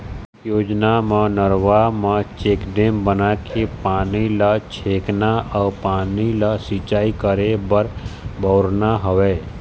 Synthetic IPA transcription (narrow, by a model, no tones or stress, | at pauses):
joːd͡ʒnamãnəɾwaːmãt͡ʃeːkɖeːmbənakʰepaːnilat͡ʃʰeːknaɔːɾpaːnilasit͡ʃaːikəɾebəɾbʱəːʊɾnaɦəweː